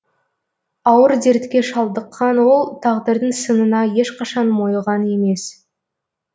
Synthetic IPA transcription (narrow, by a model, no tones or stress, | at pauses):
ɑwəɾze̞ɾt̪kʲe̞ʃɑlˠd̪əqʰːɑnwo̞lˠt̪ʰɑʁd̪əɾd̪əŋsənənɑje̞ʃqɑʃɑnmo̞jʁɑne̞me̞s